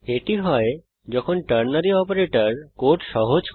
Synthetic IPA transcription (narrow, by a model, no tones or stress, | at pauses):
eʈiɦɔe | d͡ʑɔkʰonʈəɾnaɾiɔpoɾeʈəɾkoɾʈʃɔɦod͡ʑ